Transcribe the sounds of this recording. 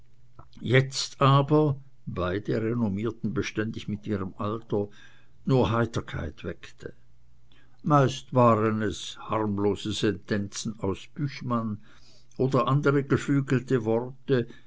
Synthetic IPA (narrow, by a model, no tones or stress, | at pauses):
jɛt͡staːbɐ | b̥aɪd̥əʁenomiːɐtn̩bəʃtɛndɪçmɪtʔiːʁəmʔaltɐ | nuːɐɦaɪtɐkʰa̰ɪtv̥ɛktʰə | maɪstv̥aːʁənɛshaʁmloːzəsɛntʰɛnt͡sn̩aʊsb̥yçman | ʔoːdɐʔandəʁəɡ̥əflyːɡl̩təvɔʁtə